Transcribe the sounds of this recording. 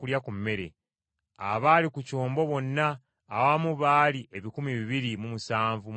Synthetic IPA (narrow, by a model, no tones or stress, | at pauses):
kuljakummːe̞ɾe̞̰ | a̰βaːlikuco̞ːmbo̞βo̞nːaː | wamuβaːliʔe̞βikumiβiβiɾimumusaːɱvum